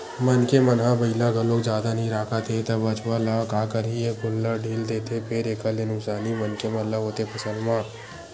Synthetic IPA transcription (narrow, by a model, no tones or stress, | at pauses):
mɐnkemɐnɦãbɐɪlaɡəlːoːkzjaːd̪anəɦĩɾaːkʰat̪ʰet̪ɐbɐt͡ʃwalakaːkəɾiekʊlːaɖʱiːld̪eːt̪ʰepʰeɾeːkəlenʊsaːnimɐnkemɐlːaɦoːt̪epʰɐsə̃nmãː